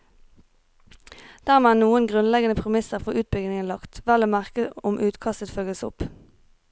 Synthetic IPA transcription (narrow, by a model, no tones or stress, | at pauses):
d̪̥æːʁmeæːnuːənɡʁʉnlɛɡənəpʰʁɛmɪsəʁfɔʁʉːt̪̚bʏɡnɪŋənlɑkt̪ʋæləmæʁkəʊmʔʉːt̪kʰɑst̪ət̪føːɡəsʊ̰p